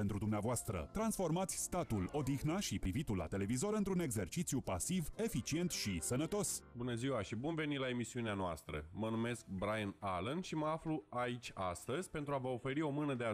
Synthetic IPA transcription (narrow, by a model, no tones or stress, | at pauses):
e̞nt̪ɾud̪umneavoast̪ɾə̰t̪ɾansfo̞rmat̪sʲst̪at̪ulo̞d̪ixnaʃipɾivit̪ulːa̰t̪e̞le̞vizo̞ɾɨnt̪ɾune̞ɡze̞rt͡ʃit̪sijupasive̞fit͡ʃie̞nt̪ʃisənət̪o̞sbunəziwaʃibunve̞nilae̞misiuneanoast̪ɾə̰mənume̞sk̚bɾajnalənʃiməafluait͡ʃʲast̪əzʲpe̞nt̪ɾuavəofe̞ɾio̞mɨnəd̪ea